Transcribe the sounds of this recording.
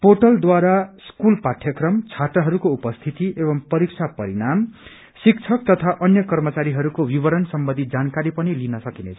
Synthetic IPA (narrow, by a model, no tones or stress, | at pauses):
poʈʌld̪waɾaskulpaʈʰjʌkrʌmt͡sʰat̪rʌɦʌɾukoupʌst̪ʰit̪iʔebʌmpʌɾik̚t͡sʰapʌɾinam | sik̚t͡sʰʌk̚t̪ʌt̪ʰaʔʌnjʌkʌrmʌt͡saɾiɦʌɾukowibʌɾʌnsʌmbʌnd̪ʱid͡zankaɾipʌnilinʌsʌkinet͡sʰʌ̥